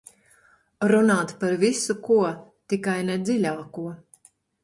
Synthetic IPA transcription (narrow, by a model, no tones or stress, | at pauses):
ɾunaːt̪paɾvisukuɔt̪ikajnɛd̪zilʲaːkuɔ